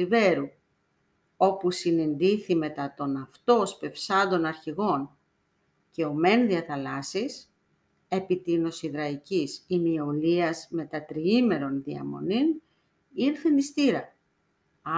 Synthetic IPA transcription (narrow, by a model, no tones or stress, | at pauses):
ive̞ɾu | o̞pusinind̪iθime̞t̪ɐt̪o̞nɐft̪o̞spe̞fsɐnd̪o̞nɐɾçiɣo̞n | ce̞o̞me̞nðiɐθɐlɐsis | e̞pit̪ino̞siðɾɐicisimio̞liɐzme̞t̪ɐt̪ɾiime̞ɾo̞nðiɐ̰mo̞̰nin | iɾθenist̪iɾɐ